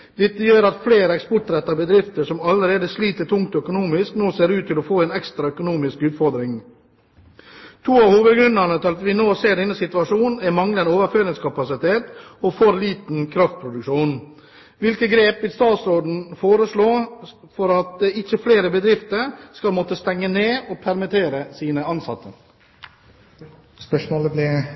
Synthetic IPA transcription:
d̪ɛt̪ːəjøːɾɑt̪fleːɾəɛkspɔʈɾɛt̪ːɑbəd̪ɾɪft̪əʂɔmɑləɾeːd̪əsliːt̪əʈʰʊŋk̚t̪ɔœkʊnuːmɪsknoːseːɾʉːt̪ʰːɪlɔfoːɛːnɛkst̪ɾɑœkʊnuːmɪskʉːt̪fɔɾd̪ɾɪŋ | t̪ʰuːɑʋhuːʋəd̪ɡɾʉnːɑnət̪ʰɪlɑt̪ʋɪnoːseːɖɛnːəsɪt̪ʉɑʂuːnn̩ɛmɑŋlənoːʋəɾføːɾɪŋskʰɑpɑsɪt̪ʰeːt̪ɔfɔɾliːt̪n̩kʰɾɑft̪̚pʰɾʊd̪ʉkʂuːn | ʋɪlkəɡɾeːpɪst̪ɑːt̪sɾoːd̪n̩foːɾəʂɭoː | fɔɾɑt̪̚d̪ɛɪçəfleːɾəbəd̪ɾɪft̪əɾskɑlmɔt̪əst̪ɛŋːəneːɔpʰæɾmɪt̪ʰeːɾəsiːnəɑnsɑ̰t̪ʰːə̰ | spœʂmoːləblɪ

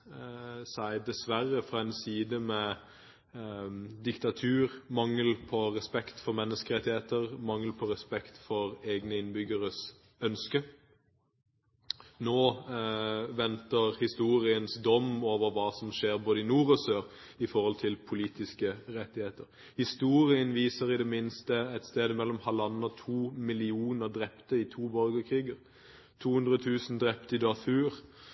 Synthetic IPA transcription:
sæɪd̪ɛsʋæʁːəfʁɑɛɪnsiːd̪əmɛ | d̪ɪkt̪ɑt̪ʰʉːʁmɑŋːəlpʰɔʁɛspɛkt̪fɔɾmɛnːəskəʁɛt̪ːɪheːt̪əɾmɑŋːəlpʰɔɾɛspɛkt̪fɔʁeːɡnəɪnbʏɡəʁəs | œnskə | noː | ʋɛnt̪əʁhɪst̪uːʁɪənsd̪ɔmːoːʋəʁʋɑːsɔmʃeːʁboːd̪əɪnuːʁɔsøːʁ | ɪfɔʁɔlt̪ʰɪlpʰʊliːt̪ɪskəʁɛt̪ːɪheːt̪əʁ | hɪst̪uːʁɪənʋiːsəʁɪd̪ɛmɪnst̪əɛt̪st̪eːd̪əmɛlːɔmhɑlɑnːɑt̪ʰuːmɪlɪuːnəʁd̪ʁɛpt̪əɪt̪ʰuːbœlɡəʁkʰʁiːɡəʁ | t̪ʰuːhʉnd̪ʁət̪ʰʉːsn̩d̪ʁɛpt̪ɪd̪ɑfʉːʁ

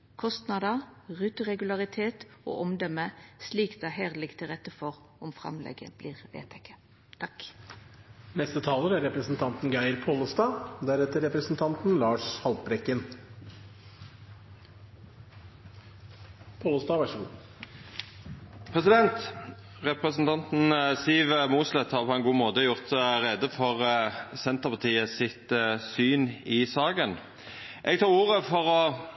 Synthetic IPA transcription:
kʰɔst̪nɑd̪əʁʉːt̪əʁɛɡʉlɑʁɪt̪ʰeːt̪o̰ːʔɔmd̪œməsliːkd̪æhæːʁd̪lɪɡt̪ʰɪlʁɛt̪əfɔʁ | ɔmfʁɑ̰mlʔɛ̰ɡə̰b̥liːʁʋḛːt̪ʰɛkʰə̥ | t̪ʰɑk | nɛst̪ət̪ʰɑːləɾæɾɾɛpɾəsn̩t̪ʰɑnt̪n̩ɡæɪəɾpʰoːləst̪ɑːd̪æɾɛt̪əɾɛpɾəsn̩t̪ʰɑnt̪n̩lɑːʂhɑlpɾɛkːən | pʰoːləst̪ɑːʋæʂəɡṵː | pʰʁɛsɪd̪ɛnt̪ | ʁɛpʁəsn̩t̪ʰɑnt̪n̩siːʋmuːslɛt̪hɑːʁpʰɔɛnɡuːmoːt̪əjʊʁt̪ʁeːd̪əfɔʁsɛnt̪əʁpʰɑt̪ʰiːəsɪt̪syːnɪsɑːɡən | ʔɛɡt̪ʰɑːʁuːʁəfɔʁɔ

